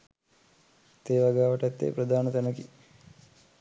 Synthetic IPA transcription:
t̪eːʋaɡaːʋəʈɛt̪ːḛːpɾəd̪ʱaːnət̪ænəki

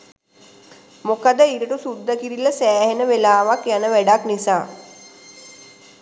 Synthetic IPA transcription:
mokad̪əiɾəʈusud̪ːəkiɾiləsæːhenəʋelaːʋakjanəʋæɖaknisaː

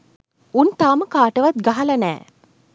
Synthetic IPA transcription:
unt̪aːməkaːʈəʋat̪̚ɡaɦɐlɐnɛ̰ː

